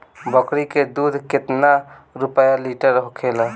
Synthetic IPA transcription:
bəkɾiked̪ud̪ʱkɪt̪na | ɾupjaliʈəɾɦokʰela

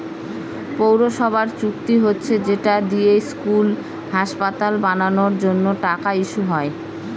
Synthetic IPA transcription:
powɾoʃɔbʱaɾt͡ɕukt̪iɦotːɕʰed͡ʑeʈad̪iejskul | haʃpat̪albananoɾd͡ʑonːoʈakaiʃuɦɔe

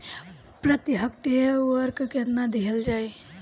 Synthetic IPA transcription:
pɾət̪iɦək̚ʈewəɾkket̪nad̪iɦeld͡ʒaj

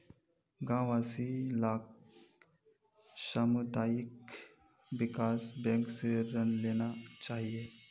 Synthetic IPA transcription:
ɡãʋasilak | səmud̪ajik̚ | ʋikasbɛ̃ŋkseɾənleñat͡ɕaɦije

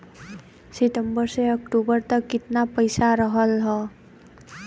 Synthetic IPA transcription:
siʈəmbəɾseəkʈubəɾt̪əkːɪt̪napəjsaɾəɦəlɦɔ

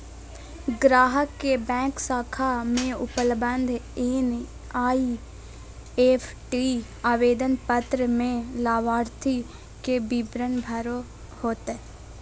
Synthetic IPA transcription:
ɡɾaːɦəkːebɛ̃ːksaːkʰamẽʊpəlbə̃nd̪ʱeːn | aːi | eːpʰʈi | aːʋeːd̪ənpət̪ɾəmẽlaːʋaːɾt̪ʰi | kebibɾənbʱəɾo | hoːt̪e

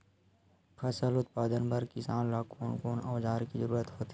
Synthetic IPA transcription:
pʰɐsəlʊt̪̚paːd̪ənbɐɾkɪsaːnlaːkoːnkoːnɔːd͡ʒaːɾkizəɾuːɾət̪ɦoːt̪i

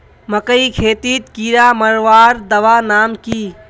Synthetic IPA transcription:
məkəikʰeːt̪it̪kiɾaməɾʋaːɾd̪əʋanaːmki

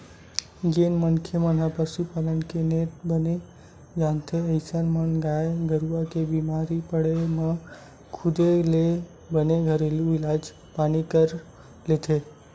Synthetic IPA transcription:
ɡenmənkʰemənɦəpəsupalənkenet̪̚bəne | d͡ʒant̪ʰeəɪsənmənɡaeɡəɾuakebimaɾipəɽeme | kʰud̪ele | bəneɡʱəɾelilad͡ʒ | panikəɾ | let̪ʰe

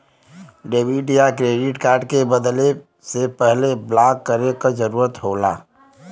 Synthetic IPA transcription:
ɖeːbiɖijakɾeːɖɪʈkaːɾɖkebəd̪le | sepɛɦleblaːkːəɾekad͡ʒəɾuːɾət̪ɦoːla̰ː

